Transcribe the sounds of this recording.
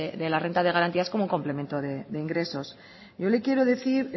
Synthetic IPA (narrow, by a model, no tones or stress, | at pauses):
eðe̞lare̞nt̪aðe̞ɣaɾant̪iaskomouŋko̞mple̞me̞nt̪oðe̞ðe̞iŋɡɾe̞so̞s | ɟ͡ʝo̞le̞kje̞ɾo̞ðeθiɾ